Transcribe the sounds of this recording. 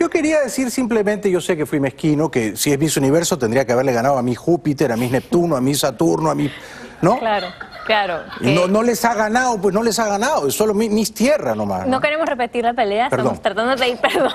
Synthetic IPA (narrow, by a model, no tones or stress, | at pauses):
ʝo̞ke̞ɾiaðe̞siɾsimple̞mẽnt̪e̞ʝo̞se̞ke̞fwime̞hkino̞ke̞sie̞zmisuniβe̞ɾso̞t̪e̞nd̪ɾiakeaβe̞ɾle̞ɣanaðoamixupit̪eɾamine̞p̚t̪unoamisat̪uɾnoami | noklaɾo | klaɾoinono̞lesaɣanaðop̬weno̞lesaɣanaðoeso̞lomimist̪je̞rano̞ma̰snokeɾemosrepet̪iɾlapeleapeɾaost̪ɾat̪and̪oðeeðiɾpeɾðo